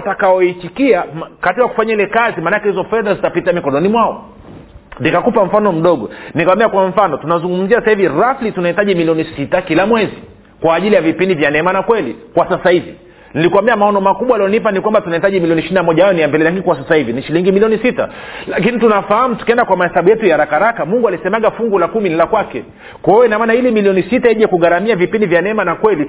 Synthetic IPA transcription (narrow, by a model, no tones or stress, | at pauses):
atakaɔit͡ʃikiamkatikaku̥faɲailɛkazimanakɛhizɔfɛðazitapitamikɔnɔnimwaɔ | nikakupaɱ̩fanɔm̩ɗɔɠɔ̰nikawambiakwaɱ̩fanɔtunazuŋɡum̩ziassahiviɾaflitunaitaʄimiliɔnisitakilamwɛzi | kwaːʄilijavipindivjanɛmanakwɛlikwasasahivi | nilikuambiamaɔnɔmakuɓwaːlijɔnip̬anikwambatunaitaʄimiliɔniʃininamɔʄahajɔnijambɛlɛlaŋɡikwas̬asahiviniʃiliŋɡimiliɔnisita̰lak̬initunafahamutu̥kiɛndakwamahɛsaɓujɛtujaɾakaɾakamuŋɡualisɛmaɠafuŋɡulakuminilakwakɛ | kaɛjɔinamaːnailimiliɔnisitaiʄɛkuɠaɾamiavipindivjanɛmanakwɛli